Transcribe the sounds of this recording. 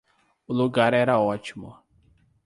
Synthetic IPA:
ʊluɡaɾɛɾɐɔt͡ʃimʊ̰

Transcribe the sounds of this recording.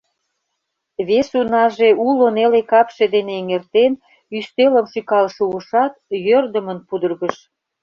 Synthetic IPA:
βesunɑʒeulonelekɑpʃed̪eneːŋert̪en | yst̪eləmʃykɑlʃuəʃɑt̪̚jørd̪əmənpud̪ərɣəʃ

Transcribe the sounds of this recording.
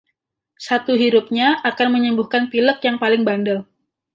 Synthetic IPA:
sat̪uɦiɾʊp̚ɲaʔakanməɲəmbuhkanpiləkjaŋpalɪŋbandəl

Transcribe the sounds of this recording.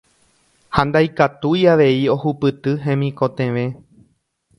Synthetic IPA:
hãnd̪ajkat̪ujaʋe̞io̞hupɨt̪ɨɦẽ̞mĩko̞t̪ẽ̞ʋẽ̞

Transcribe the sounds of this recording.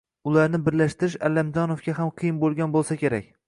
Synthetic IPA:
ʊlaɾnɪbɪɾlaʃt̪ɪɾɪʃalːamd͡ʒɒnofɡʲaɦamqʰɨjɪmbolˠɡʲanbolˠsakʲeɾa̰kʲ

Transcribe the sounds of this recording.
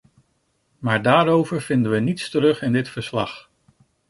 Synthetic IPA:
maːɹdaːɾowvəɹv̥ɪndənʋənitstəɾɵχɪndɪtfəɹslɑχ

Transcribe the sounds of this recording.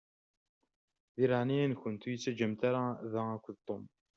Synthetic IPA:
ðiɾaʕniænçʊnt̪ujət͡sːæd͡ʒəmt̪aɾaðæækʷːðt̪ˤːom

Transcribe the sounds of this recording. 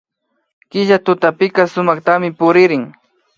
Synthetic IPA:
kɪʒat̪ʊt̪apɪkasʊmɑχt̪amɪpʊɾɪɾɪŋ

